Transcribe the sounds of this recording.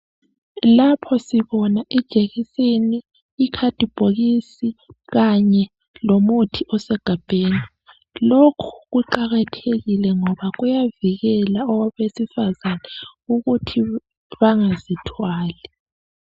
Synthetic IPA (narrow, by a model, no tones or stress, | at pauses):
lapʰɔsiβɔnaʔid̥ʒ̥ʱeɣisiniː | kʰad̥ʱib̥ʱoɣisiɣaɲɛ | lomutʰiʔɔsɛɡ̥ʱab̥ʱeːni | lokʰu̥ɣuǃaɣatʰeɣilɛŋɔβaɣujaviɣɛlaɔwaβesifazanɛuɣutʰi | βaŋazitʰwaːlɛ